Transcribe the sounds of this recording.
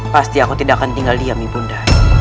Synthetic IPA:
past̪iakut̪idaʔkant̪iŋɡaldiamipunda

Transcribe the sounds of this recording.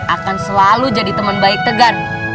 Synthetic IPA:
akansəlalud͡ʒadit̪əmənbaɪk̚t̪əɡan

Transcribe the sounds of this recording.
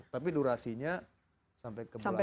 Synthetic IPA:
t̪apiduɾasiɲa | sampajkəbsaml

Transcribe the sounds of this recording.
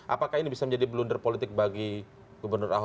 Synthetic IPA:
ʔapakahinibisamə̃ɲd͡ʒadibəlundərpolit̪ɪk̚baɡi | ɡubərnʊra̰ɦ

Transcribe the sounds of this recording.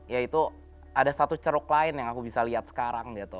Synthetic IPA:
jait̪u | adasat̪ut͡ʃəɾʊklaɪnjaŋakubisaliat̪̚sə̥kaɾaŋɡit̪u

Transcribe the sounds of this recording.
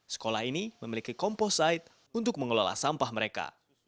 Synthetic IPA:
sə̥kolaɦiniməmilikikɔmpɔsaɪt̪̚ | unt̪ʊk̚məŋəlɔla̰sampahməɾeka̰

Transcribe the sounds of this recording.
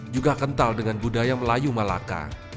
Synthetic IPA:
d͡ʒuɡakənt̪aldəŋanbudajaməlajumala̰ka̰

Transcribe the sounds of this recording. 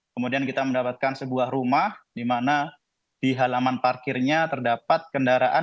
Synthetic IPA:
kəmudiankit̪aməndapat̪̚kansəbuahɾumahdimana | d̥iɦalamanparkɪrɲat̪ərdapat̪̚kəndaɾaʔa

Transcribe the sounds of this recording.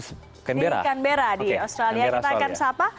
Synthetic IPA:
kanbeɾa̰kanbeɾadiost̪ɾaliakit̪akansapa

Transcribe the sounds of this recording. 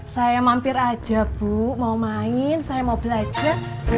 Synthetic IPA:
sajamampɪɾad̥ʒ̥a̤b̥uʔmaumaɪnsajamaub̥əlad̥ʒ̥a̤

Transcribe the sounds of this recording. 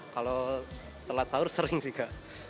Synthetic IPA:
kalo | t̪əlat̪̚saʊrsəɾɪŋsiɡa

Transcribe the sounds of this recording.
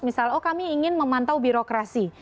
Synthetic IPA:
misalɔkamiːŋɪnməmant̪awbiɾokɾasi

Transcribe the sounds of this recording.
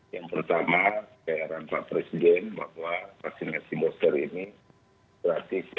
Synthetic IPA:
jaŋpərt̪amaɡajaɾanpa̰ʔpɾesidɛnba̰hwafaksinasimɔst̪ərini | b̥əɾat̪is

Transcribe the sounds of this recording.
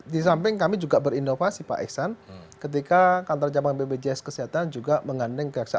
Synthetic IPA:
dis̬ampɪŋkamid͡ʒuɡabəɾinofasipa̰ʔɛ̰ksankət̪̬ikakant̪ard͡ʒamanbebed͡ʒɛskəsiɦat̪and͡ʒuɡaməŋandɛŋkəaksa

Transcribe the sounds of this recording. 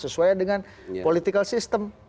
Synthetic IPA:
səsuajdəŋan | polit̪ikalsist̪əm

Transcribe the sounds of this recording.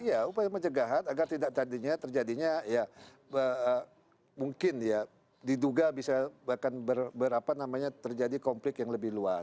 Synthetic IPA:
ijaupajaməɲt͡ʃəɡaɦanaɡart̪idaʔ̚t̪adiɲat̪ərd͡ʒadiɲaja | əə | muŋkɪnja | diduɡabisabakanbərbəɾapanamaɲat̪ərd͡ʒadikɔmplɪkjaŋləbɪhlua

